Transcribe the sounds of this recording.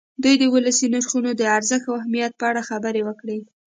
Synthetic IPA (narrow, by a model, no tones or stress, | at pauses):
d̪ujd̪əwʊlasinaɾxunod̪əaɾzəxt̪wahmijat̪̚pəaɽaxabəɾewəkɽe